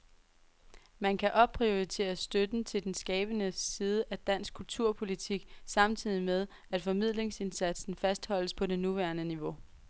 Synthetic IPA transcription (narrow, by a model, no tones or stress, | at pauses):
mænkʰæʔɒ̥̽pʰʁio̝ʁit͡sʰe̝̰ːɐsd̥ød̥n̩t͡sʰe̝ld̥ensɡ̥ɛːb̥ənəsiːð̞ˠəʔæd̥æn̰sɡ̥̚kʰult͡sʰuɐ̰pʰo̝lit͡sʰiɡ̥sɑ̈mt͡sʰið̰ˠimeð̞ˠ | æd̥fɒ̽mið̞̰ˠle̝ŋse̝nsæd̥sn̩fæsd̥hɒ̽l̰əspʰɒ̽de̝nuʋæɐnəniʋo̝